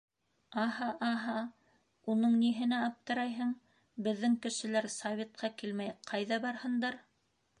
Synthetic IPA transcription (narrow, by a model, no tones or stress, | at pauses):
ɑɦɑʔɑɦɑ | unɤɴniɦɘ̆næɑp̚t̪ɤ̆ɾɑjɦɤɴ | bɘ̆ðːɘŋkɘ̆ʃɘ̆læɾsɐvʲet̪̚qɑkilmæjqʰɑjðɑbɑɾhɤ̆nd̪ɑɾ